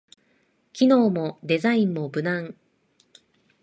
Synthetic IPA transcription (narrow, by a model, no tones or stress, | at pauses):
kʲino̞ːmo̞d̪e̞zaĩmːo̞bɯ̟nãŋ